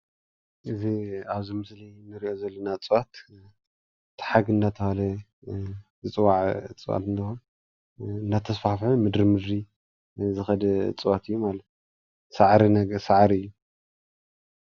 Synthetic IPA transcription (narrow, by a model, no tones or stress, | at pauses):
ʔɨziaβzimɨslijnːɨɾiʔo̞zɐlːɐnat͡sʼɨwat̪ | t̪ʰħaɡɨndat̪ʰɐhalɐ | zɨt͡sʼɨwaʕt͡sʼɨwa̰t̪ɨnt̪ʰxon | ɨndat̪ʰːɐsfafħumɨd̪ɾimɨd̪ɾi | zɨxɐd̪ɐt͡sʼɨwat̪ʰɨjːumalɐt̪ | saʕɾinɐɡsaʕɾiɨjːu